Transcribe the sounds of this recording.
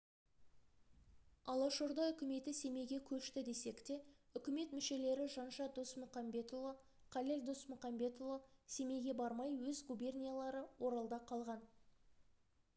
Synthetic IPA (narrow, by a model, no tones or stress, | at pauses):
ɑlˠɑʃoɾd̪ɑʏkʲɪme̞t̪ɪse̞me̞ɡʲe̞kʲʰɵʃt̪ɪd̪e̞se̞kt̪e̞ʏkʲɪme̞t̪mʏʃe̞le̞ɾɪʒɑnʒɑd̪osmʊqɑmbe̞t̪ovˠo | qʰɑleld̪osmʊqɑmbe̞t̪ovˠose̞me̞ɡʲe̞bɑɾmɑjwɵzɡubʲe̞rnʲijalˠɑɾəwo̞ɾɑlˠd̪ɑqʰɑlˠʁɑn